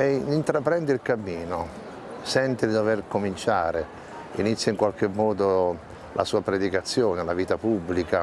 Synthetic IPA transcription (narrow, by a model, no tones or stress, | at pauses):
ɛint̪ɾapɾɛnd̪eilkamːiːno | sɛnt̪ed̪id̪overkomint͡ʃaːɾe | ḭnit̪sːjaiŋkwalk̟emːɔːd̪o | lʔa̰suːapɾed̪ikat̪sːjoːnelaviːt̪apubːlika